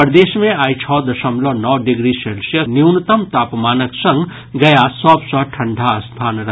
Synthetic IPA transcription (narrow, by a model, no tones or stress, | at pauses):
pɾd̪esmẽajt͡ʃʰɔd̪əsəmlɔnɔwɖiɡɾiselsjənjiwnt̪əmt̪aːpmanəksə̃ŋɡ | ɡəjasəbsɔʈʰəɳɖʱaəst̪ʰaːnɾə